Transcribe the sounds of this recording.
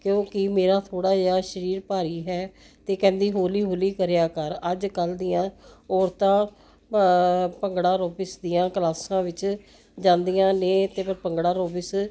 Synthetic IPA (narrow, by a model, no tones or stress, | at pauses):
kjõːkɪmeːɾaːt̪ʰoːɽaːd͡ʒeaːʃəɾiːɾpaːɾiːɦɛː | t̪eːkɛ̃ːnd̪iːɦoːliːɦoːliːkəɾejaːkəɾəd͡ʒkəld̪ijãːɔːɾt̪ãː | pəŋɡɽãːɾoːpɪsd̪ijãːkəlaːsãːʋɪt͡ʃ | d͡ʒãːnd̪ijãːnẽːt̪eːpʰəɾpəŋɡɽãːɾoːpɪs